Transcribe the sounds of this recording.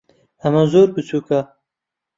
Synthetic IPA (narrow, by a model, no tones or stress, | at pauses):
ɐmazoːɾbɨt͡sʰuːka